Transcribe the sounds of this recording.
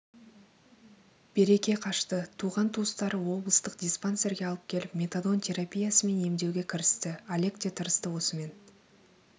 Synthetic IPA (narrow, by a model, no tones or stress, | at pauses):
b̥e̞ɾe̞kʲe̞qʰɑʃt̪ət̪ʰuʁɑnt̪ʰust̪ɑɾəwo̞blˠəst̪əqd̪ʲispanse̞ɾɡʲeɑlˠəp̚kʲʰe̞lɪpmʲe̞t̪ad̪o̞nt̪ʲʰe̞ɾapʲijasəme̞ne̞md̪e̞wɡʲe̞kʲʰɪɾɪst̪ɪalʲe̞kt̪e̞t̪ʰəɾəst̪əwo̞səme̞n